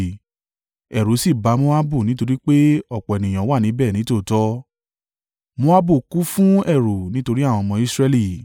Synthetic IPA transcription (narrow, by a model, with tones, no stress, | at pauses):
ɛ˨ɾo˨˦si˦˨ba˨˧˦mõ˦a˦bu˦˨nĩ˦to˧ɾi˦k͡pe˦ɔ˦˨k͡pɔ˨ɛ˨nĩ˨j̃ã˨˦wa˦˨nĩ˨˦bɛː˦˨nĩ˨˦to˦˨tɔ˦ | mõ˦a˦bu˦˨ku˨˦fũ˦ɛ˦˨ɾo˨nĩ˨˦to˧ɾi˦a˦˨w̃ɔ̃˧mɔ̃˧i˦sɾɛ˦li˦˨